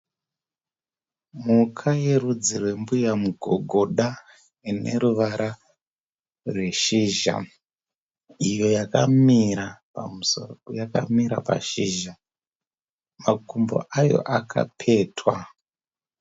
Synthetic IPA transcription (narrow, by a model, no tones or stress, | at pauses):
mukʰaje̞rud͡zirwe̞mbujamuɡʱo̞ɡʱo̞ɗa | ine̞̰ɾuʋaɾa | rwe̞ʃiʒa̰ | ijo̞jakamiɾapamusojaka̰miɾapa̰ʃiʒa | makumbo̰ʔajo̞̰ʔakʰa̰pʰe̞twa